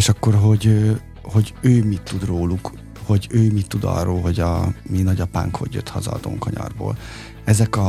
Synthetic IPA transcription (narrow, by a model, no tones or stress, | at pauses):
eːʃɒkːo̞rɦo̞ɟø | ho̞ɟøːmit̪ːud̪roːluk | ho̞ɟøːmit̪ːud̪ɒ̰rːoːlɦo̞ɟɒminɒɟɒpa̰ːŋkho̞̰ɟjø̰t̪hɒzɒːd̪o̰ŋkɒɲɒ̰rbo̰ːl | ɛzɛkɒ